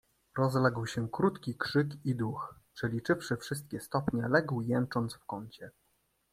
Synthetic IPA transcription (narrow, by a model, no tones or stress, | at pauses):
ɾɔzlɛɡwɕɛkɾut̪kʲikʂɘkid̪ux | ʂɛlʲit͡ʂɘfʂɘfʂɘst̪̚kʲɛst̪ɔpɲɛlɛɡwjɛnt͡ʂɔnd̪sfkɔɲt͡ɕɛ